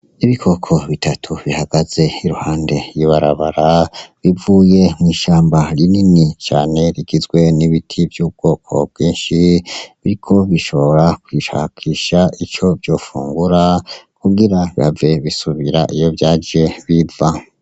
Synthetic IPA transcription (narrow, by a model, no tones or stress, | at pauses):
iβikʰo̞kʰo̞βitʰatʰuβihaɡ̥az̥e̞iɾuhaːnde̞jiβaɾaβaɾaβivuːje̞mŋiːʃaːmbaɾininit͡ʃa̰ːne̞ɾiɡizɡwe̞niβitʰibjuːb̚ɡ̥o̞ːkʰo̞̰b̚ɡiːnʃiβiɾikʰo̞βiʃo̞βoo̞ɾakwiʃa̰kʰiʃait͡ʃo̞vjo̞ːfṵːŋɡuɾakuɡiɾaβiave̞βisuβiɾaʔijo̞vjaːd͡ʒe̞βiva